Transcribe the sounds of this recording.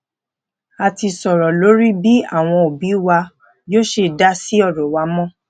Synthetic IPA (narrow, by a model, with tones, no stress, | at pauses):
a˨ti˧sɔ˨ɾɔ˨lo˨˦ɾi˦bi˦a̰˦˨w̃ɔ̃˧o˨bi˨˦wa˧ | jo˦ʃe˧˨da˦si˦ɔ˦˨ɾɔ˨wa˧˦mɔ̃˦